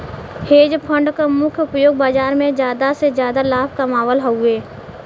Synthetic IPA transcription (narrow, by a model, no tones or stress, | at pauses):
heːd͡ʒpʰə̃ɳɖkamʊkʰjʊpjoːɡ̚baːd͡ʒaːɾmẽd͡ʒjaːd̪asezjaːd̪alaːpʰkamaːʋəlɦɐueː